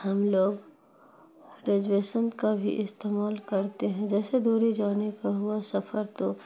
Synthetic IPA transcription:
hɐmloːɡ | ɾed͡ʒweːʃənkabʱḭʔɪst̪eːmaːlkɐɾt̪eɦɛ̃d͡ʒɛːsed̪uːɾid͡ʒaːnekaɦʊasɐpʰəɾt̪o

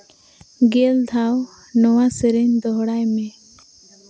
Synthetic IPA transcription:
ɡeld̪ʱaw | nɔwasəɾeɲd̪ɔɦɽajme

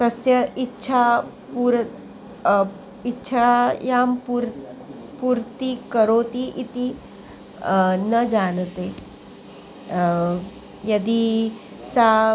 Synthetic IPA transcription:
t̪əsjəʔitːɕʰa | puɾ | itːɕʰajampuɾ | puɾt̪ikəɾot̪iʔit̪i | nəd͡zant̪e | jəd̪iː | sa

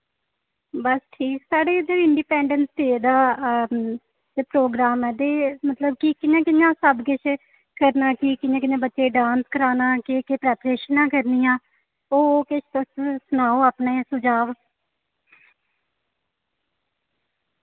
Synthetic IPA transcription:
bəsʈʰiːksaːɖeːd͡ʒeːɪɳɖiːpɛːɳɖənst̪eːd̪aː | d͡ʒepɾoːɡɾaːmɛːd̪eːmət̪ləb̚kikɪjãːkɪnjãːsəbɡɪt͡ʃ | kəɾnaːkiːkɪnjãːkɪjãːbətːʃeːɖãːnskəɾaːnaːkɪːkepɾɛːpɾeːʃənãːkəɾnijãː | oːkɪʃt̪əssʊnaːoːaːpneːsʊd͡ʒaːʋ

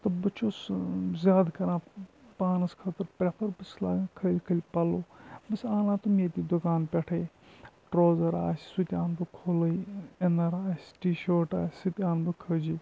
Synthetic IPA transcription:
t̪ɨbɨt͡ʃʰoːszʲaːd̪kɐɾãːpaːnɐskʰɐt̪ɨɾpɾʲepʰɐɾbɨsla̰ːkʰəːlʲkʰəlʲpɐloːbɨsaːnãːt̪umeːt̪ʲid̪ukaːnpʲeʈʰɐj | ʈɾoːzɐɾa̰ːsʲsut̪ʲaːnbɨkʰoːlɐjenɐɾaːsʲʈiːʃoːʈa̰ːsʲsɨt̪ʲaːnbɨkʰəːd͡ʒi

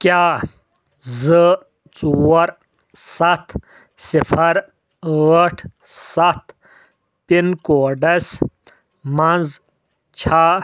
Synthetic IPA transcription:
kjaː | zɨ | t͡suwɐɾ | sɐt̪ʰ | sifʰɐɾ | əʈʰ | sɐt̪ | pinkoːɖɐs | mɐnd͡z | t͡ɕʰaː

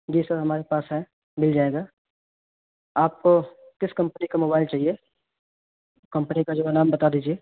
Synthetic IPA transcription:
d͡ʒiːsɐɾɦɐmaːɾepaːsɦɛ̃ | mɪld͡ʒaːeːɡaː | aːp̚ko | kɪskɐ̃mpənikamoːbaːɪlt͡ʃaːɦie | kɐ̃mpənikad͡ʒoːnaːmbɐt̪ad̪iːd͡ʒieː

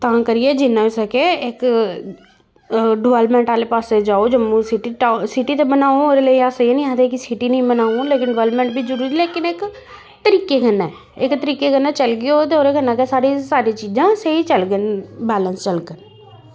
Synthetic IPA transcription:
t̪ãːkəɾɪjeːd͡ʒɪnːãːɪsəkeɪk | ɖɪʋɛːlpmɛ̃ːɳʈaːleːpaːsed͡ʒaːoːd͡ʒəmːũːsɪʈiʈasɪʈiːt̪ebənaːooːɾeːləiːaːsəeːnĩːãːd̪eːkisɪʈiːnəĩːmənaːuleːkɪnɖɪʋɛːlpmɛ̃ːɳʈbiːzəɾuːɾiːleːkɪnɪk | t̪əɾiːkeːkənːɛː | ɪkt̪əɾiːkeːkənːaːt͡ʃəlɡɪoːt̪eoːɾekənːaːkɛːsaːɽiːsaːɾiːt͡ʃiːd͡ʒãːseiːt͡ʃəlɡənbɛːlənst͡ʃəlkən

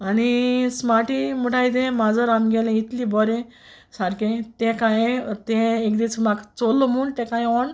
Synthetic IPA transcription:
anismaʈimuʈʰajd̪ẽmad͡zəɾamɡɛlẽit̪libɔɾẽ | saɾkẽt̪ɛ̃kãjt̪ɛ̃ekd̪it͡smaɡt͡solːɔmuɳt̪ɛ̃kãjɔɳ

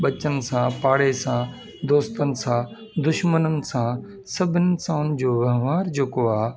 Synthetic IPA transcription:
ɓɐt͡ɕənɪ̆sãːpaːɽesã | d̪oːst̪ənɪ̆sãː | d̪ʊʃmənənɪ̆sãː | sɐbʱɪnɪsãʊnɪd͡ʑoːʋɐɦʋaːɾd͡ʑoːkoaː

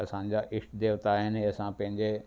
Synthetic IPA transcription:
ɐsãːɲd͡ʑaʔɪʂʈd̪eːʋt̪aːɦɪnɦeɐsãpɐ̃ɦɪ̃ɲd͡ʑe

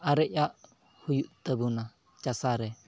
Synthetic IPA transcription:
aɾɛʔjaʔ | hujuʔt̪əbuna | t͡ʃasaɾɛ

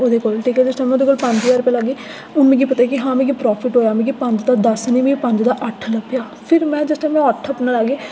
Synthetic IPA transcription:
oːd̪eːkoːlʈʰiːkɛːd͡ʒɪsʈaːmɛ̃oːd̪eːkoːlpə̃ɲd͡ʒʋaːɾpɛːləɡeː | ʊnmɛ̃ːɡiːpət̪aeːkɪɦãːmɛ̃ːɡipɾɔːpʰɪʈɦoːjaːmɛ̃ːɡiːpə̃ɲd͡ʒd̪aːd̪əsniːʋĩpə̃ɲd͡ʒd̪aːʔəʈʰləbjaː | pʰɪɾmɛ̃ːd͡ʒɪsʈaːjmɛ̃əʈʰəpnalaɡeː

